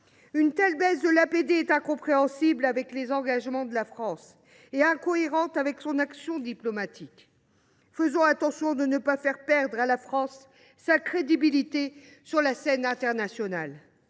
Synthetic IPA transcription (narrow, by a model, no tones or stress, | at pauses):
ynt̪ɛlbazd̪əlaped̪eɛt̪ɛ̃kɔ̃pχeɑ̃siblavɛklezɑ̃ɡaʒmɑ̃d̪əlafχɑ̃s | eɛ̃kɔeʁɑ̃t̪avɛksɔ̃naksjɔ̃d̪iplɔmat̪ʰik | fəzɔ̃at̪ɑ̃sjɔ̃d̪ənəpafɛʁpɛʁd̪ʁalafχɑ̃sː | akχed̪ibilit̪e | syʁlasɛnɛ̃t̪ɛʁnasjɔnal